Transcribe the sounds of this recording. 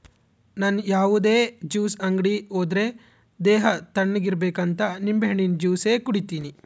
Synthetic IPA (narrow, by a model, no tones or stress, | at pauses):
naːnjaːʋud̪e̞ːd͡ʒiːsɐŋɡɽioːd̪ɾe | d̪eːɦɐt̪ɐɳːiɡiɾbeːkɐnt̪ɐnimbeɦɐɳind͡ʒiːseːkuɽit̪iːni